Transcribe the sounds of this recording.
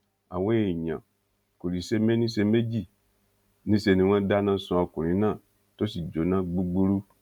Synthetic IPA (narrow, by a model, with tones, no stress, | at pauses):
a̰˨we˦e˨ɲã̰˨ | ku˨ɾi˨se˦me˦nĩ˦se˧me˦d͡ʒi˦˨ | nĩ˦se˧nĩ˨wã˦da˦nã˦sũ˧˦a˨ku˨ɾĩ˨˦nã˦˨ | to˦si˨d͡ʒo˨nã˦ɡ͡bu˦ɡ͡bu˦ɾu˦